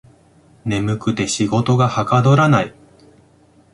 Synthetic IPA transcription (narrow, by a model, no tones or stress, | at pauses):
ne̞mɯ̟kɯ̟t̪e̞ɕiɡo̞t̪o̞ɡahakad̪o̞ɾanai